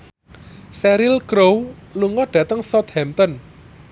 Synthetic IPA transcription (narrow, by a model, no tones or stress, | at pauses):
sɛɾilkɾowluŋɔɖ̥ä̤t̪əŋsɔt̪hɛmt̪ɔn